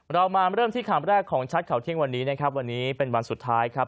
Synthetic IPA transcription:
ɾa˧wmaː˧ɾɤː˥˩mt̪ʰiː˥˩kʰaː˨˩˦mɾɛː˥˩kʰːɔː˩˦ŋt͡ɕʰa˦˥t̪̚kʰa˨˩wt̪ʰi˦˥əŋwa˧nːiː˦˥na˦˥kʰɾp̚wa˧nːiː˦˥pe˧nwa˧nsu˨˩t̪ʰːaː˦˥jkʰɾa˦˥p

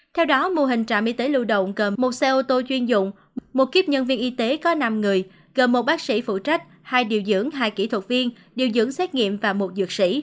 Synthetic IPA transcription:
t̪ʰɛ˧wɗɔ˨˦mo˧ɦï˨˩ŋ̟t͡ɕa̰ː˧˨mʔi˧t̪e˨˦lṵ˧˨ɗə̰˧˨wŋ͡mɣəː˨˩mo˨˩t̚sɛ˧ʔo˧t̪o˧t͡ɕwi˧ənzʊ̰˧˨wŋ͡m | mo˨˩t̚ki˦˥əp̚ɲə˧nvi˧ənʔi˧t̪e˨˦kɔ˨˦na˧mŋɨ˨˩əj | ɣə˨˩nmo˨˩t̚ɓaː˦˥k̚sḭ˧˥fṵ˧˨t͡ɕa˦˥jk̟̚ | haː˧jɗi˨˩əwzɨ̰˧˥əŋɦaː˧jki˧˩t̪ʰwə˨˩t̚vi˧ən | ɗi˨˩əwzɨ̰˧˥əŋsɛ˦˥t̚ŋḭ˧˨əmvaː˨˩mo˨˩t̚zɨ˨˩ək̚sḭ˧˥

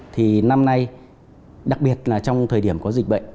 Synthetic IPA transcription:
t̪ʰi˨˩na˧mna˧j | ɗa˨˩k̚ɓi˨˩ət̚laː˨˩t͡ɕɔ˧wŋ͡mt̪ʰəː˨˩jɗi˧˩əmkɔ˨˦zï˨˩k̚ɓə̰˧˨ŋ

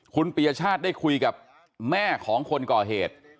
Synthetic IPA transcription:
kʰu˧npi˨˩a˧t͡ɕʰaː˥˩t̪̚da˥˩jkʰu˧jka˨˩p̚ | mɛː˥˩kʰɔː˩˦ŋkʰo˧nkɔː˨˩ɦeː˨˩t̪̚

